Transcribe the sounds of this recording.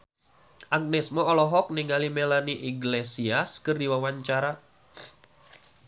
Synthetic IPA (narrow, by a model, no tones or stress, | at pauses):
ʔaɡ̚nɛsmɔːlɔɦɔk̚niŋɡalimelaniʔiɡlesiaskɨrdiwawaɲt͡ʃaɾa